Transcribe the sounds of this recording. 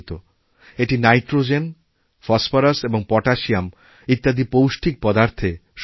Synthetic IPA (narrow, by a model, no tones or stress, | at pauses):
t̪o | eʈinajʈɾod͡ʑen | fɔsfoɾaseboŋpɔʈaʃiam | it̪ːad̪ipowʃʈʰik̚pɔd̪aɾt̪ʰeʃ